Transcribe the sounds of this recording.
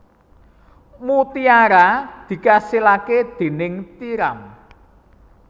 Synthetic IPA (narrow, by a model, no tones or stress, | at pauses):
mut̪iaɾad̪̥i̤kasilaked̪̥e̤nɪŋt̪iɾam